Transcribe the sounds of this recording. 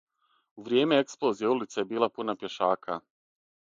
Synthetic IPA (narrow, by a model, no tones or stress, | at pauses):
uʋɾʲje̞ːme̞eksplˠo̞zijeulit̪sejebiːlˠapunapje̞ʃaːkʰa